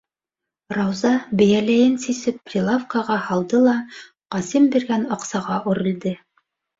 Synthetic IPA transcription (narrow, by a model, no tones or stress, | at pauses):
rɑwzɑbɘ̆jælæjɘnsisɘpːrʲilˠafkɑʁɑhɑlˠd̪ɤlˠɑ | qɑsimbiɾɡænɑqsɑʁɑʔʉɾɘ̆ld̪ɘ